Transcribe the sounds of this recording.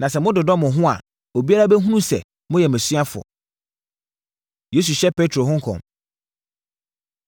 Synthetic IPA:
nã˨sɛ˨mʊ̃˦dʊ˨dɔ˦mʊ̃˨ɦʊ̃˦a̰˨ | o˨bi˦a˦ɾa˦bɛ˦ɦũ˦nũ˦sɛ̰˨ | mʊ̃˦jɛ˨mæ̃˨si˦a˦fʊ̰˨ | je˦s̬u˨ɕɛ˦pʰe˦tʰɾo˨ɦʊ̃˦ŋ̩˦kʰɔ̰̃˨m

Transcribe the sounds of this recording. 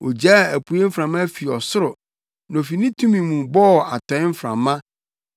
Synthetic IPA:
o˨d͡ʑaː˦˨æ˨pʰu˨e˦fɾã˨mã˦fi˨ɔ˨sʊ˦ɾʊ˨ | nɔ̃˨fi˨nĩ˦tʰũ˦mĩ˨mũ˨bɔ˦˨a˨tʰɔ̃˨˦ɪ˦m̩˦fɾã̰˨mːã˦

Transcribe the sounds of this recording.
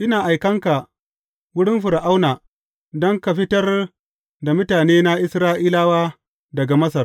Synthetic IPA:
ʔɪ˦naː˨ʔa˨jkɐ˦ŋka˨ | wʊ˦ɽɪ˦mɸʊ˨ɾʔa˦wnaː˨ | dɔ˦ŋka˨ɸɪ˦tɐ˦r | da˨mʊ˦taː˨neː˦na˦ʔɪ˦sɾaː˦ʔiː˦laː˦waː˦ | dɐ˨ɡa˨mɐ˦sɐ˨r

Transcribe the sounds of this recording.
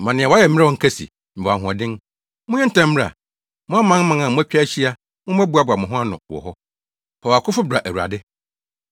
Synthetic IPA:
mã˨nɪ̃˨ɛ˨wa˦jɛ˨m˦ɾɛ˦ɔ̃˨ŋ̩˨kʰɛ˦sḭ˨ | m̩˨ba˨ɦʊ̃˨a˨dɪ̃˦n | mʊ̃˦ɛ̃˦n̩˦tã˦m̩ː˦ɾa̰˨ | mʊ̃˦a˦mã˦ŋ˦mã˨˦ã˨mʊ̃˦æ˦t͡ɕᶣa˦ɕi˦a˦ | mʊ̃˦m˦æ˦bu˦a˨ba˨mʊ̃˨ɦʊ̃˦a˦nʊ̰̃˨wɔ̰˨ɦɔ˦ | hɔ˨a˨kʰʊ˦fʊ˦bɾa˨ʔæ˨wu˨ɾa̰˨dɪ˦

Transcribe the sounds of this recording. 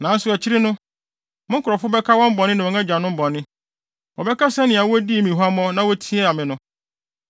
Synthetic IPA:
nã˨˦n̩˦sʊ˦ɛ˨t͡ɕʰɪ˦ɾɪ˦nʊ̃˦ | mʊ̃˦ŋ˦kʰʊ˨ɾɔ˨fʊ˦bɛ˦kʰa˦wɔ̃˦m̩˦bɔ˨nːɪ̃˦nã˨ɔ̃˨ŋɛ̃˦d͡ʑᶣa˨nʊ̃˦m̩˦bɔ̃˨nːɪ̃˦ | wɔ˨bɛ˦kʰa˦sɛ˦nɪ̃˨a˨wɔ˦æ˦di˦˨mĩ˨ɦa˦mɔ̃˦nã˦wɔ˦tʰĩ˦ɛ˦a˨mɪ̃˨nʊ̃˦

